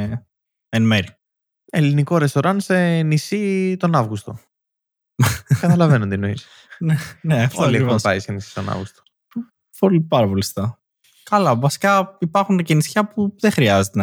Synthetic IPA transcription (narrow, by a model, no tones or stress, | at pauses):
enmeɾi | eliniko̞ɾest̪o̞ɾɐnse̞nisit̪o̞nɐvɣust̪o̞ | kɐt̪ɐlɐve̞nond̪inois | neneɐftoolieop̪ɐisenisi̥st̪o̞̰nɐ̰vɣust̪o̥ | polipɐɾɐpolist̪ɐ | kɐlɐvɐsi̥kɐipɐɾxuncinisçɐpuðexɾiɐzet̪e